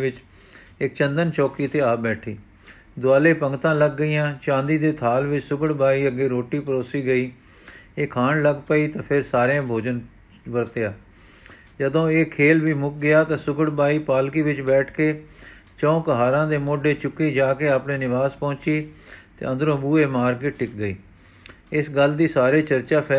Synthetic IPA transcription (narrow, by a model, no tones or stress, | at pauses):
ʋɪt͡ʃ | ɪk̚t͡ʃə̃nd̪ənt͡ʃɔːkiːt̪eːaːbɛːʈʰiː | d̪ʊaːleːpəŋɡt̪ãːləɡːəiːãːt͡ʃãːnd̪iːd̪eːt̪ʰaːlʋɪt͡ʃsʊɡəɽbaːiːəɡeːɾoːʈiːpəɾoːsiːɡəiː | eːkʰaːɳləɡpəiːt̪ãːpʰɪɾsaːɾãːbʱoːd͡ʒən | ʋəɾt̪ejaː | d͡ʒəd̪õːeːkʰeːlʋiːmʊk̚ɡɪjaːt̪ãːsʊkəɽbaːiːpaːlkiːʋɪt͡ʃbɛːʈʰkeː | t͡ʃɔ̃ːkəɦaːɾãːd̪eːmoːɖeːt͡ʃʊkːeːd͡ʒaːkeːaːpneːnɪʋaːspɔ̃ːt͡ʃiːt̪ḛːə̃nd̪əɾõːbuːeːmaːɾkeːʈɪkɡəiː | ɪsɡəld̪iːsaːɾeːt͡ʃəɾt͡ʃaːpʰɛː